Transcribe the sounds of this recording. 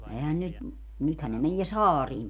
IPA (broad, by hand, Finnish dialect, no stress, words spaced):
ehæn nyt nythæn ne menie sɑːriːm